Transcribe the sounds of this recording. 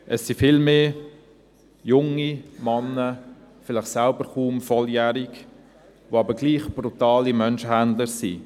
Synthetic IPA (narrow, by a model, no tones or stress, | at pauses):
ʔəsːifɪlmeː | jʊŋimɑnːə | fɪlɪχsælbəɾχuːmfɔljæːɾik | ʋoɑbəɡliːχb̥ɾut̪aːlimœnʃəɦænd̪ləɾsḭ